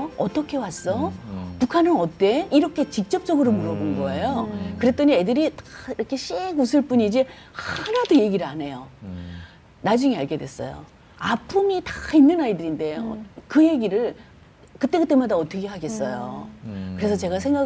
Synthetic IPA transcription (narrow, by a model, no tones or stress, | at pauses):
ʌt͈ʌkʰe̞was͈ʌpukʰanɯnʌt͈e̞iɾʌkʰe̞t͡ɕik̚t͡ɕ͈ʌp̚t͡ɕ͈ʌɡɯɾomuɾʌbonɡʌejokɯɾet͈ʌɲiedɯɾitaiɾʌkʰe̞ɕ͈eɡusʰɯɭp͈uɲid͡ʑihaɾadoje̞ɡiɾɯɭane̞jo | nad͡ʑuŋeaɭɡe̞dwes͈ʌ̰jo̰ | apʰumitainːɯnaidɯɾinde̞jo̰kɯje̞ɡiɾɯɭ | kɯt͈e̞kɯt͈e̞madaʌt͈ʌkʰe̞ɦaɡe̞s͈ʌjo̰kɯɾe̞sʰʌt͡ɕe̞ɡas̬ʰe̞ŋɡa